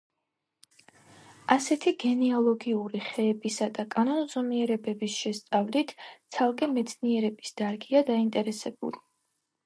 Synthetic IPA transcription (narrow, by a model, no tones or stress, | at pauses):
asɛt̪ʰiɡɛniɔlˠɔɡiuɾiχɛːbisad̪akʼanɔnzɔmiɛɾɛbɛbisʃɛst̪sʼavlit̪ʰt̪sʰalˠkʼɛmɛt̪sʰniɛɾɛbisd̪̥aɾɡiad̪aint̪ʼɛɾɛsɛbṵli